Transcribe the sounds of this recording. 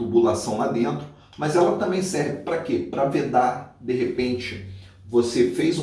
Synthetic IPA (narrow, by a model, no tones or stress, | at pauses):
t̪ubulasɐ̃w̃lad̪ẽnt̪ɾʊ | mɐzɛlɐt̪ɐ̃mbẽj̃sɛɾvɪpɾɐkepɾɐved̪aɾd̪eɦepẽnt͡ʃɪ | vosefejz